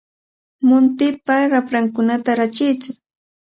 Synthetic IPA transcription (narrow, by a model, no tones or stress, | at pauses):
mʊnt̪ɪpaɾapɾaŋkʊnat̪aɾat͡ʃɪjt͡ʃɪk